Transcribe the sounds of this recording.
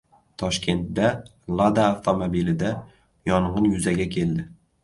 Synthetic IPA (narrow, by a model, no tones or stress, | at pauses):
t̪ʰɒʃkʲʰe̞nt̪d̪a | lˠad̪aːft̪ʰomobilɪd̪a | jɒɴʁɨnjʊzaɡʲakʲʰe̞ld̪ɪ